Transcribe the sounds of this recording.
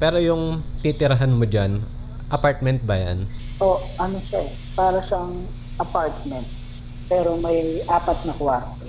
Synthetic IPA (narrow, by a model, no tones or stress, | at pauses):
pɛːɾo̞jʊŋt̪it̪ɪɾɐɦanmod͡ʒan | ʔɐpaɹt̪̚mɛnt̪̚bɐja̰n | ʔoʔɐnoʃɛ | paːɾɐʃɐŋ | ʔɐpaɹt̪̚mɛnt̪̚ | pɛːɾomɐjʔaːpɐt̪̚nɐkwaɾt̪o